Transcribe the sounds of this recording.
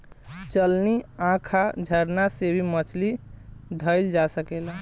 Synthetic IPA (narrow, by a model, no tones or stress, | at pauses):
t͡ʃəlniãkʰad͡ʒʱəɾnasebʱimət͡ʃʰlid̪ʱəɪld͡ʒasəkela